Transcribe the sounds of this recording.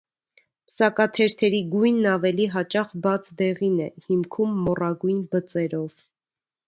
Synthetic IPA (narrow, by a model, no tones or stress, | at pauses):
pəsɑkɑt̪ʰɛɾt̪ʰɛɾiɡujnːɑvɛliɦɑt͡ʃɑχbɑt͡sʰd̪ɛʁinɛhimkʰumːɔrɑɡujnbət͡sɛɾɔv